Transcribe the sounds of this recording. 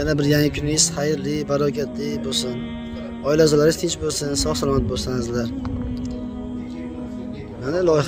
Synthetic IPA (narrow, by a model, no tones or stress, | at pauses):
janabɪɾjaŋɪkʲʰʊnɪz̥χajɾlɪbaɾɒkʲʰat̪lɪbolˠsɪn | ɒɪlazɒlaɾɪzt̪ʰɪnt͡ʃbolˠsɪnsɒχsalˠɒmat̪̚bolˠsanɪzlaɾ | manɪlˠɒjɪ